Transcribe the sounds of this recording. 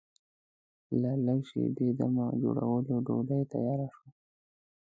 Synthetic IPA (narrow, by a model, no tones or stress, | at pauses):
lalajʃḛd̪ed̪amad͡ʒo̰ɽa̰wəloɖoɖajt̪a̰jɑɾaʃo